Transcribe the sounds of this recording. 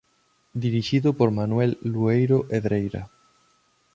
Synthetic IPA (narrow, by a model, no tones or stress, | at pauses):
d̪iɾiʃiðʊpoɾmanwɛlːuejɾoʔeðɾejɾa̰